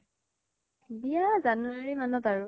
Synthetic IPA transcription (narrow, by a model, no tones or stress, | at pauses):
bijazanuaɹimanɔtaɹʊ